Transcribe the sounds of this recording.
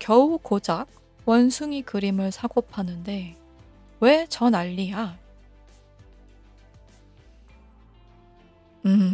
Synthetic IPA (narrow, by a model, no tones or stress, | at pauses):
kjʌukod͡ʑak̚ | wʌnsʰuŋikɯɾimɯɭsʰaɡopʰanɯnde̞ | we̞t͡ɕʌnaʎːija | ɯ